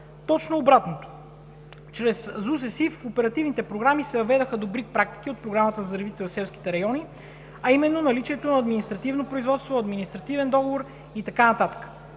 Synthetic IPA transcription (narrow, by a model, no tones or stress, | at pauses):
t̪ɔt͡ʃnoːbɾat̪not̪o̥ | t͡ʃɾɛszus̬ɛsiffopɛɾɐt̪ivnit̪ɛpɾoɡɾamisɛvɐvɛd̪əxəd̪obɾik̚pɾak̚t̪i̥k̟iot̪̚pɾoɡɾamət̪əzɐɾvit̪ɛosɛlˠsk̟i̥t̪ɛɾɐjɔni | ɐimɛnːonɐlit͡ʃiɛt̪onɐːd̪minist̪ɾɐt̪ivnopɾoizvɔt̪st̪voɐd̪minist̪ɾɐt̪ivɛnd̪ɔɡovoɾ | it̪ɐkanɐt̪at̪ə̥kə̥